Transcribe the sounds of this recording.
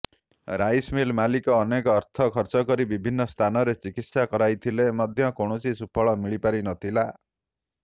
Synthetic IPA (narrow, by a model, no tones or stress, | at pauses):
ɾajsmilmalikɔːnekɔːɾt̪ʰɔkʰɔɾt͡ʃɔkɔɾibibʱinːɔst̪ʰanɔɾet͡ʃikit̪sakɔɾajt̪ʰilemɔd̪ʱjʌkoɳ̃ot͡ʃisupʰɔɭɔmiɭipaɾinʌt̪ʰila